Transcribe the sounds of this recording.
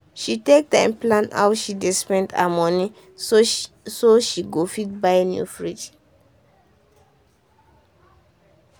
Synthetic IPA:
ʃitek̚tãɪ̃mplãna̰wʃidespɛ̃nda̰mɔni | soʃiɡofitbaɪnjṵfɹid͡ʒ

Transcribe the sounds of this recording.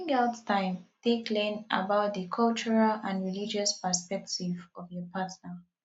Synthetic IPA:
ŋaʊttãɪ̃mθeklẽnʔə̰baʊt̪̚ðəkʰɔlt͡ʃəɹalãnɹilid͡ʒəspə˞spɛk̚tivɔvjɔpʰatnə

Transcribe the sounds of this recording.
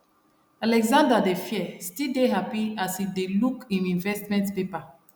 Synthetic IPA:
alɛɡzãndadefjɛstildeɦapiasidelukĩnĩnvɛstmɛ̃ntpepa

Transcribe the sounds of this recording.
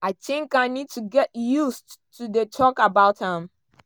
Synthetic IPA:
atʰĩŋkãnid̚tʰuɡɛtjustudetʰɔkabaʊthãm

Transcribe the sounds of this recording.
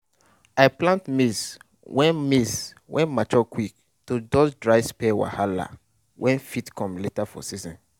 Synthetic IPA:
aɪplãntmis | wɛ̃nmis | wʔɛ̰̃nmat͡ʃɔkwik̚ | tud͡ʒɔsdɹaɪspɛwa̰hala̰ | wʔɛ̃nfitkʰɔ̃mletafɔ̰sizɔ̃n

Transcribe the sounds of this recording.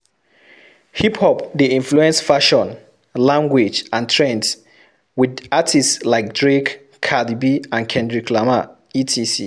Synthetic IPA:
hiphɔpdiĩnfluɛ̃nsfaʃɔ̃n | lãŋɡwid͡ʒãntʰɹɛ̃ns | widatʰistslaɪk̚dɹekʰː | adibiãnkʰɛ̃ndɹikʰlama | itʰisi

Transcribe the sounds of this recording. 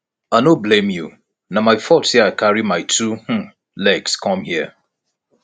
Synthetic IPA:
anoblẽmju | namaɪfɔtiakaɹimaɪtʰuh̩ | lɛɡskʰɔ̃mhiə

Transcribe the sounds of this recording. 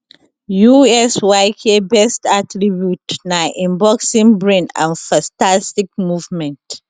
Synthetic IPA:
juɛswajkʰebɛstatɹibjutnaʔĩmbɔksĩnbɹẽnã̰nfãstastik̚muvmɛ̃nt

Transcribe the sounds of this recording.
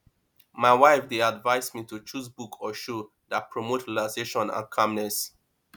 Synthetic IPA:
maɪwaɪfdeadvaɪsmitut͡ʃuzbukʰɔʃo | dat̚pʰɹɔmotʰilaseʃɔ̃nã̰nkʰãmnɛs

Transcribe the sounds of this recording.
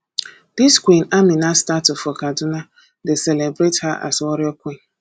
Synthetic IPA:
d̥iskʷwĩnamĩnastatʊfɔkadʊna | deselebɾethaʔa̰swɔɾɪɔkʷĩn

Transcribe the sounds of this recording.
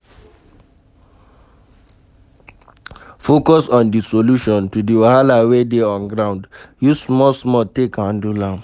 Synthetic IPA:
fokɔsɔ̃ndisoluʃɔ̃ntudiwahalawedeɔ̃nɡɹãʊ̃ndjusmɔsmɔtekãndulãm

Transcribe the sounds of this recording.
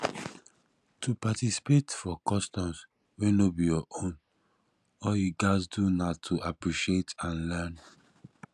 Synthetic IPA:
tʰupatisi̥petfɔkɔstɔ̃ms | wɛ̃nobijɔʔõn | ɔjiɡasdunatʰuʔapɹiʃietãnlɛn

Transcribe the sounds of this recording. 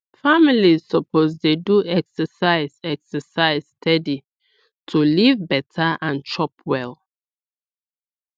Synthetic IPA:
familizsɔpozdeduɛksəsaɪzɛksəsaɪzstʰɛdi | tʰulivbɛtʰaʔãnt͡ʃɔpʰwɛl

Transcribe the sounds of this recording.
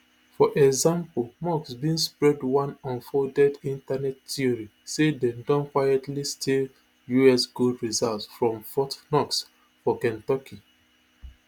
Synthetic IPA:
fɔʔɛɡzãmpolmɔksbĩnspɹɛdwãnɔ̃nfɔdɛdĩntanɛttiɔɹisedɛ̃mdɔ̃nkwajɛtlistʰil | juɛsɡodɹizaltsfɹɔ̃mfɔtnɔks | fɔkɛ̃ntɔkʰi

